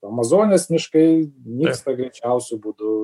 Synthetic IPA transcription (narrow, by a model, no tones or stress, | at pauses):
ɐmɐzoːnʲeːsmʲɪʃkɐɪmʲiːkst̪ɐɡɾʲɛɪt͡ʃʲɛʊsʲʊbuːd̪ʊ